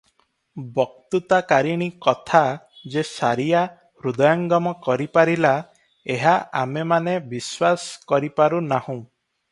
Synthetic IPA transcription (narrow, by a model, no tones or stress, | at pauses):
bɔk̚t̪ut̪akaɾiɽ̃ikɔt̪ʰa | d͡ʒesaɾija | ɾud̪ɔjɔŋɡɔmɔkɔɾipaɾila | eɦaʔamemanebiswaskɔɾipaɾunahũ